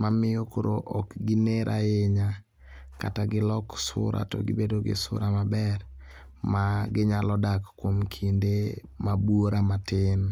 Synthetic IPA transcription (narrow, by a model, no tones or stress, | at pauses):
mamɪjokoɾoʔɔkɡineɾʔaeɲa | kataɡɪlɔksʊ̰ɾʔa̰tɔ̰ɡɪbedoɡɪ̰sʊ̰ɾamabɛɾ | maɡɪɲalɔdakːwomkʰindemabwoɾamatɪn